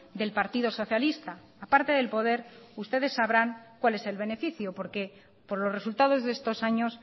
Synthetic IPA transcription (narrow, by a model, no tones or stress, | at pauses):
d̪e̞lpaɾt̪ið̞o̞so̞θjalist̪aːpaɾt̪e̞ðe̞lpo̞ð̞e̞ɾust̪e̞ð̞e̞sːaβɾaŋkwale̞se̞lβe̞ne̞fiθjopo̞ɾke̞ | po̞ɾlo̞re̞sult̪að̞o̞zðe̞st̪o̞saɲo̞s